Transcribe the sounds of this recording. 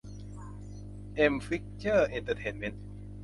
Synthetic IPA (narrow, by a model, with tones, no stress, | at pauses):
ʔe˧mfi˦˥k̚t͡ɕəː˥˩ʔe˧nt̪ʰə˧t̪ʰe˧nme˦˥n